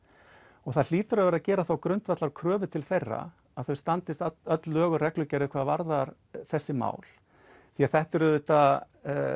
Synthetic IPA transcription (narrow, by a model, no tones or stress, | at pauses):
ɔɣθaðl̥iːt̪ʏɾœvɛɾaðcɛːɾaθawkɾʏnt̪vat̪laɾkʰɾœːvʏt̪ʰɪlθejrːa̰ | aðθœɥwst̪ant̪ɪst̪œt̪lœːɣʏrɛklʏcaɾɪkʰvaːðvaɾðaɾ̥ | θɛsːɪma̰ːwl̥ | θiaðθɛht̪ʏɾʏðʏt̪a